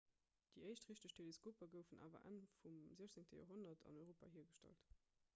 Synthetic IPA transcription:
d̥iəɪʃtʁiʃtəɕtʰeleskʰoːpɐɡəʊfənʔa̰ːvɐ̰ʔæ̰nfumziɐʃt͡seŋtəjo̰ːɦonɐtʰɑ̰nɔɪʁoːpa̰ːhiːɐɡəʃtæ̰lt

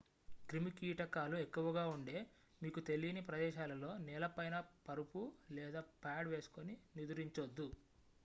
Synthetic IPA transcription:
kɾimikiːʈɐkaːluekːuʋɐɡaːuɳɖe̞ː | miːkut̪e̞lijnipɾɐd̪ɛːʃaːlɐlo̞ːnɛːlɐpɐjnɐpɐɾupulɛːd̪aːpaːɖʋe̞ːsu̥koninid̪uɾiɲt͡ʃod̪ːu

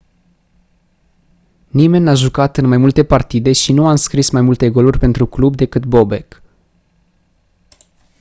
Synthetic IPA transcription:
nime̞nʲːaʒukat̪ɨnmajmult̪e̞part̪id̪e̞ʃinuamskɾismajmult̪e̞ɡo̞lurʲpe̞nt̪ɾuklubd̪e̞kɨt̪bo̞be̞k

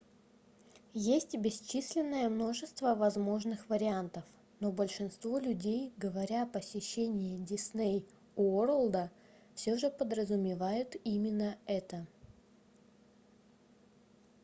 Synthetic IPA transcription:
jesʲtʲbʲɪst͡ɕisʲlʲɪnːəjəmno̞ʐɨst̪vəvɐzmo̞ʐnɨxvəɾʲɪant̪əf | no̞bəlʲʂɨnst̪vo̞lʲʉdʲejɡəvɐɾʲapəsʲɪɕːenʲɪɪdʲɪsnʲej | uoɾəlˠd̪ə | fsʲoʐɨpəd̪ɾəzʊmʲɪvajʊt̪imʲɪnːəɛt̪ə

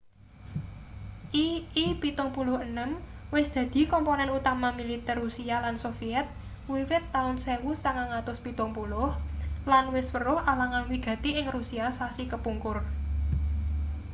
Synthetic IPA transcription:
ʔiipit̪ʊŋpulʊhənəmwɪsd̪̥ä̤d̪̥i̤kɔmponɛnut̪amamilit̪ɛrːusialansofiɛt̪̚ | wiwɪt̪ːaʊnsɛwusaŋaŋat̪ʊspit̪ʊŋpulʊhlanwɪswəɾʊhalaŋanwiɡ̥a̤t̪iʔɪŋrusiasasikəpuŋkʊr

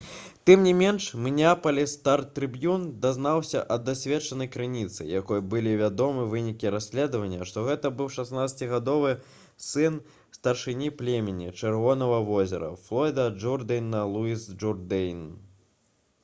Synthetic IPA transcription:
t̪ɨmnʲimʲɛnʂmnʲapɐlʲist̪art̪ɾɨbjund̪aznawsʲɐʔɐd̪asʲvʲɛt͡ʂɐnɐjkɾɨnʲit̪sɨ̰jakɔjɐbɨlʲivʲad̪ɔmɨvɨnʲikʲiɾasʲlʲɛd̪ɐvɐnʲːɐʂt̪ɔɣɛt̪ɐbɨwʂasnat̪sɐt͡sʲiɣad̪ɔvɨ | sɨn | st̪ɐrʂɨnʲiplʲemʲɛnʲḭt͡ʂɨrvɔn̪ɐvɐvɔzʲɛ̰ɾɐ̰flˠɔjd̪ɐd͡ʐurd̪ɨjnːɐlˠuisd͡ʒurd̪ɛjn

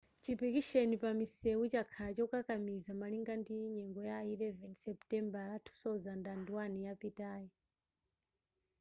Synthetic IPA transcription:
t͡ʃipikiʃenipamisɛwut͡ʃakʰalat͡ʃɔkakamizamaliŋɡandiɲɛŋɡɔjailɛvɛnsɛptʼɛmbaɾatʰu̥sɔzandanduwanijapitaːji

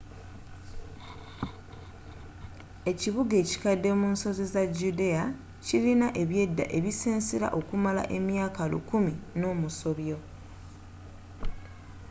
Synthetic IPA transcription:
e̞ciβuɡe̞ːci̥kadːe̞munso̞zizaɟude̞a | cilinaʔe̞βje̞dːa̰ʔe̞βiseːnsiɾa̰ʔo̞kumala̰ʔe̞mjaːkalṵkumino̞ːmuso̞βjo̞

